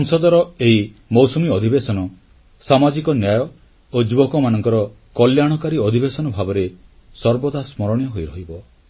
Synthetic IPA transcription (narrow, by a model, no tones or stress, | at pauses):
sɔŋsɔd̪ɔɾɔeɦi | mɔwsɔmiɔd̪ʱibesɔnɔ | samad͡ʒikɔnjajɔ | od͡ʒibokɔmanɔŋkɔɾɔ | kɔljaɽ̃ɔkaɾiɔd̪ʱibesɔnɔbʱabɔɾe | sɔɾbɔd̪asmɔɾɔɽ̃jɔɦojɾɔɦibɔ